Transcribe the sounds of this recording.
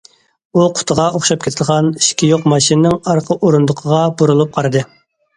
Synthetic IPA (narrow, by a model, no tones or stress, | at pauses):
uqʰʊ̥t̪ʰəʁɑoχʃɑp̚kʲʰet̪ʰɪd̪əʁɑni̥ʃkʲijoqmɑʃinnɪŋɑɾqʰəʔoɾund̪ʊqʰəʁɑboɾulˠup̚qʰɑɾɨd̪ɨ